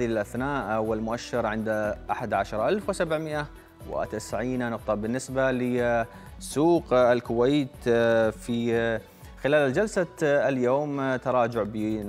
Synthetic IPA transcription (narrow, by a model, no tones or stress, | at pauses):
iɪlʔaθnaːʔwɪlmʊʔaʃːɪɾʕɪnd̪ʔaħad̪ʕaʃɑɾˤʔalfwɪsabʕmɪʔa | wɪ̰t̪ɪsʕiːnnʊq̚t̪ˤɑbɪnːɪsbalɪ | suːqɪlkʊwajt̪fi | xɪlaːlɪld͡ʒalsaljoːmt̪ɑɾˤɑːd͡ʒʊʕbi